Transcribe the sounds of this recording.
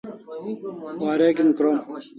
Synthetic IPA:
waːɾeːkinkɾoːm

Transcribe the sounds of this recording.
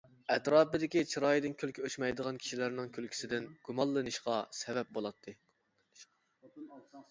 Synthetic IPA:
ɛt̪ɾɑːpɨd̪ɪkʲit͡ʃʰiɾɑːjid̪ɪnkʲʰylkʲʰyøt͡ʃmɛjd̪əʁɑnkʲʰi̥ʃilæɾnɪŋkʲʰølkʲʰi̥sɪd̪ɪnɡ̥umɑlˠːɨnɨʃqɑsɛvɛp̚bolˠɑt̪ʰːɨ

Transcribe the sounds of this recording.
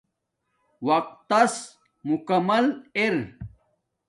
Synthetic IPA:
wɐq̚t̪ːɐs | mukɐmɐleɾ

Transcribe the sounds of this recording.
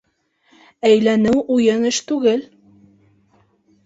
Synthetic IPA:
æjlænɘwʔujɤnɘʃt̪ʉɡɘl

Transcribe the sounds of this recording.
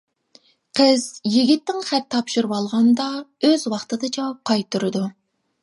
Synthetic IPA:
qʰəz̥jiɡʲit̪ːɪŋχɛt̪ʰːɑpʃuɾwɑlˠʁɑnd̪ɑøzwɑχt̪ɨd̪ɑd͡ʒɑwɑp̚qʰɑjt̪ʰːuɾɨd̪u

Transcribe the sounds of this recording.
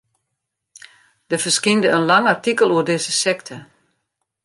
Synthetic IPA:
d̥əfərskindəənlaŋartikəlˠuərdɪzəsɛktʰə

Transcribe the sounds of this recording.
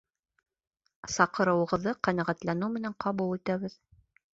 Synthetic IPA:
sɑqɤ̆ɾɤ̆wɤ̆ʁɤ̆ðːɤqænæʁæt̪lænɘmɘ̆næɴqɑβulˠit̪æβɘð

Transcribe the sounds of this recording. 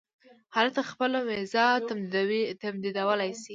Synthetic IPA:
hɑlat̪axpəlomezɑt̪amd̪id̪awit̪amd̪id̪awəlajsi

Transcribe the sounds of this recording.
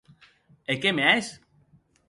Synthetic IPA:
ekemeajs

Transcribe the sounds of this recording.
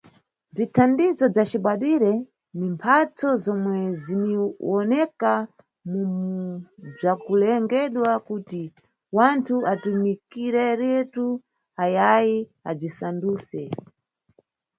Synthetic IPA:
b͡ʐitʰandizɔb͡ʐat͡ʃiɓaɗiɾɛ | nimpʰat͡sɔzɔmwɛziniwɔnɛka | mumub͡ʐakulɛŋɡɛɗwakuti | wantʰuʔatumikiɾɛɾɛtu | ajajiab͡ʐisanduːsɛ

